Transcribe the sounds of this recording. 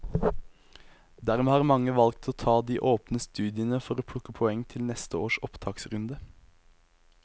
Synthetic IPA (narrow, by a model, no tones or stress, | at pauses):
d̪æːʁmeːhɑːʁmɑŋəʋɑlk̚t̪ʰoːt̪ʰɑːd̪iːʔoːpnəst̪ʉːd̪ɪənəfɔʁoːpʰɽʊkəpʰɔɛŋt̪ʰɪlnɛst̪əoːʃɔpt̪ʰɑːksʁʉnd̪ə